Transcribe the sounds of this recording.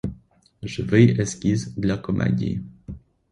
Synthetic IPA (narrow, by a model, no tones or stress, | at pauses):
ʐɨvɘjɛskʲizd̪lʲakɔmʔɛ̰dʲḭ